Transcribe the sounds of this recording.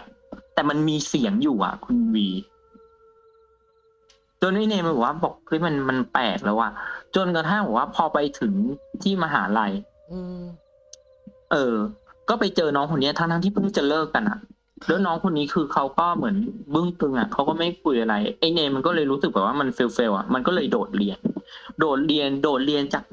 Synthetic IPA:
t̪ɛː˨˩ma˧nmiː˧si˨˩˦əŋjuː˨˩ʔa̰˨˩ʔkʰu˧nwiː˧ | t͡ɕo˧nʔeː˧neː˧ma˧˩bɛː˨˩wa˥˩bɔː˨˩k̚ʰɯ˧˥˨jma˧nma˧npɛ̰ː˨˩k̚lɛː˨˦˩wa˧˩t͡ɕo˧nka˧t̪ʰa˥˩nbɛː˨˩waː˥˩pʰɔː˧pa˧jt̪ʰɯ˩˦ŋt̪ʰiː˥˩maː˧ɦa̰ː˩˦ʔɾa˧j | ʔɤː˧kɔː˥˩pa˧jt͡ɕɤː˧nɔː˦˥ŋkʰo˧nːi˦˥a˨˩a˦˥t̪ʰa˦˥ŋt̪ʰi˥pʰɯ˥˩t͡ɕa˨˩lɤː˥˩kːa˧nʔa̰˨˩ʔ | dɯː˦˥jnɔː˦˥ŋkʰo˧nːiː˦˥kʰɯː˧kʰa˦˥wkɔː˥˩mɯ˩˦ənbɯ˥˩ŋt̪ɯ˧ŋʔa̰˨˩kʰa˦˥wkɔː˥˩ma˥˩jkʰu˧jʔa˧ɾa˧jʔa˧neː˧ma˧nkɔː˥˩lɤː˧jɾuː˦˥sɯ˨˩k̚bɛː˨˩waː˥˩ma˧nfe˧wfe˧wʔa̰˨˩ma˧nkɔ˥˩lɤː˧jdoː˨˩t̪̚ɾi˧əndoː˨˩t̪̚ɾi˧əndoː˨˩t̪̚ɾi˧ənt͡ɕaː˨˩k̚

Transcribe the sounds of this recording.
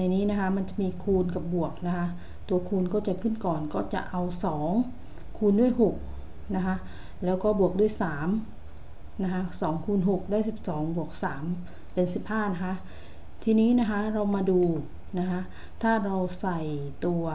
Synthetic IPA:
na˧˩jniː˦˥na˦˥kʰa˦˥ma˧nt͡ɕa˨˩miː˧kʰuː˧nka˨˩p̚bu˨˩ək̚na˦˥kʰa˦˥ | t̪u˧ɐkʰuː˧nkɔː˥˩t͡ɕa˨˩kʰɯ˥˩nkɔː˨˩nkɔː˥˩t͡ɕa̰˨˩ʔa˧wsɔː˩˦ŋ | kʰuː˧ndu˥˩əjɦo˨˩k̚ | na˦˥kʰa˦˥ʔ | lɛː˦˥wkɔː˥˩bu˨˩ək̚du˥˩əjsaː˩˦m | na˦˥kʰa˦˥sɔː˩˦ŋkʰuː˧nɦo˨˩k̚daː˥˩jsi˨˩p̚sɔː˩˦ŋbu˨˩ək̚saː˩˦m | pe˧nsi˨˩p̚haː˥˩na˦˥kʰa˦˥ʔ | t̪ʰiː˧niː˦˥˨na˦˥kʰa˦˥ɾa˧wmaː˧duː˧ | na˦˥kʰa˦˥ʔ | t̪ʰaː˥˩ɾa˧wsa˨˩jt̪u˧ɐ

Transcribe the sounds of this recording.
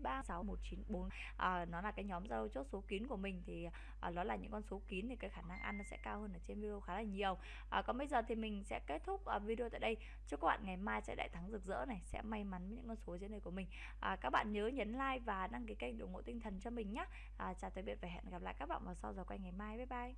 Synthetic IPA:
ɓaː˧sa˨˦wmo˨˩t̚t͡ɕi˨˦nɓo˨˦n | ʔəː˨˩nɔ˨˦laː˨˩kaː˨˦jɲɔ˨˦mzaː˧lo˧wt͡ɕo˦˥t̚so˨˦ki˨˦nku˧˩əmï˨˩ŋ̟t̪ʰi˨˩˨ | ʔəː˨˩ɗɔ˨˦laː˨˩ɲɨ̰˧˥ŋkɔ˧nso˨˦ki˨˦nt̪ʰi˨˩kaː˨˦jxaː˧˩na˧ŋʔa˧nːɔ˨˦sɛ̰˧˥kaː˧whəː˧nʔəː˧˩t͡ɕe˧nvi˧ɗe˧o˧wxaː˨˦laː˨˩ɲi˨˩əw | ʔəː˨˩kɔ˨˦ɓə˧jzəː˨˩t̪ʰi˨˩mï˨˩ŋ̟sɛ̰˧˥ke˦˥t̚t̪ʰʊ˦˥k͡p̚ʔəː˨˩vi˧o˧t̪a̰ː˧˨jɗə˧j | t͡ɕɨ˧˦˥kɔ˦˥ɓa̰ː˧˨nŋa˨˩jmaː˧jsɛ̰˧˥ɗa̰ː˧˨t̪ʰa˨˦ŋzɨ˨˩k̚zə̰˧˥na˨˩jsɛ̰˧˥ma˧jma˨˦n˨˦ɲɨ̰˧˥ŋkɔ˧nso˨˦zi˨˧˦nɗəː˧jku˧˩əmï˨˩ŋ̟ | ʔaː˨˩kaː˦˥k̚ɓa̰ː˧˨nɲəː˨˦ɲə˨˦nlaː˧jvaː˨˩na˧ŋki˨˦kə˧˩jk̚ɗo˨˩wŋo̰˧˨t̪ï˧ŋ̟t̪ʰə˨˩nt͡ɕɔ˧mï˨˩ŋ̟ɲaː˨˦ | ʔaː˨˩t͡ɕaː˨˩t̪ʰə˨˦ɓi˧˩ət̚va˨˩ɦɛ̰˧˨nɣa˨˩p̚la̰ː˧˨jkaː˦˥k̚ɓa̰ː˧˨nvaː˨˩sa˧wzaː˨˩kwa˧jŋa˨˩jmaː˧jɓa˨˦jɓaː˧j

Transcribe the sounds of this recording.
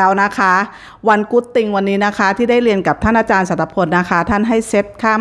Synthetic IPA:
wna˦˥kʰa˦˥ | wa˧nku˦˥t̪ːi˧ŋwa˧nːiː˦˥na˦˥kʰa˦˥t̪ʰiː˥˩da˥˩jli˧ənka˨˩p̚t̪ʰa˥˩nʔaː˧t͡ɕaː˧nsa˨˧˩t̪ʰːa˧˥pʰo˧nːa˦˥kʰa˦˥t̪ʰaː˥˩nɦa˥˩jse˦˥p̚kʰaː˥˩m

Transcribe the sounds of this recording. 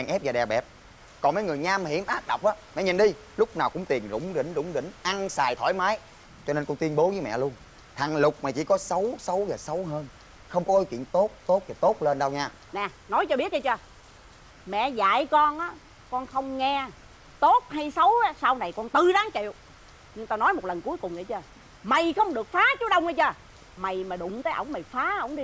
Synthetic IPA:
ɛː˨˩ŋʔɛ˦˥p̚vaː˨˩ɗɛ˨˩ɓɛ˨˩p̚ | kɔ˨˩nməː˨˦jŋɨ˨˩əjɲaː˧mhḭ˧˩əmʔaː˦˥k̚ɗə˨˩k͡p̚ʔaː˨˦mɛ̰˧˨ɲi˨˩nɗi˧ | lʊ˦˥k͡p̚naː˨˩wkʊ̰˧˥ŋ͡mt̪i˨˩ənzʊ̰˧˥wŋ͡mɗḭ̈˧˩ŋ̟zʊ̰˧˥ŋ͡mɗḭ̈˧˩ŋ̟ʔa˧ŋsaː˨˩jt̪ʰɔ˧˩˦jmaː˨˦j | t͡ɕɔ˧ne˧nkɔ˧nt̪wənɓo˨˦vəː˨˦jmɛ̰˧˨lu˧ən | t̪ʰa˨˩ŋlʊ˨˩k͡p̚maː˨˩t͡ɕḭ˧˩˦kɔ˨˦sə˨˦wsə˨˦wzaː˨˩sə˨˦wɦəː˧n | xə˧wŋ͡mkɔ˨˦ʔo˨˦jkḭ˧˨ənt̪o˦˥t̚t̪o˦˥t̚vaː˨˩t̪o˦˥t̚le˧nɗə˧wɲaː˧ | nɛ˨˩ | nɔ˨˦jt͡ɕɔ˧ɓi˦˥ət̚t͡ɕə˧t͡ɕəː˧˩ | mɛ̰˧˨za̰ː˧˨jkɔ˧nʔaː˨˦ | kɔ˧nxə˧wŋ͡mŋɛ˧ | t̪o˦˥t̚ɦa˧jsə˨˦waː˨˦saː˧wna˨˩jkɔ˧nt̪ɨ˨˩ɗaː˨˦ŋt͡ɕḭ˧˨əw | ɲɨ˧ŋt̪aː˧nɔ˨˦jmo˨˩t̚lə˨˩nku˨˦jkʊ˨˩ŋ͡mʔə˨˩˦t͡ɕəː˧ | ma˨˩jxə˧wŋ͡mɗɨ˨˩ək̚faː˨˦t͡ɕu˨˦˥ɗə˧wŋ͡mʔə˧˦t͡ɕəː˧˩ | ma˨˩jmaː˨˩ɗʊ̰˧˨ŋ͡mt̪əː˨˦jʔə̰˧˩wŋ͡mma˨˩jfaː˨˦ʔə˧˩wŋ͡mɗi˧

